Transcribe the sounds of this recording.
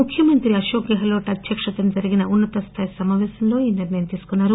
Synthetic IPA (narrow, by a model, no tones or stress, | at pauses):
ukʰjɐmɐnt̪ɾiɐʃoːɡjɐɦɐlo̞ːʈɐt̪jɐkʂɐt̪ɐmd͡ʒɐɾiɡinɐʔunːɐt̪ɐst̪ʰaːjɐsɐmaːʋɛːsɐmlo̞ːiːniɾnɐjɐmt̪iːsu̥kunːaːɾu